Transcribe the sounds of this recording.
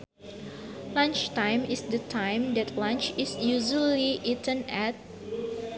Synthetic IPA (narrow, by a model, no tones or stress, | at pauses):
lãnt͡ʃtãj̃misdətʰãjmdɛtʰlãnt͡ʃisjuʒəliʔitə̃nɛt̚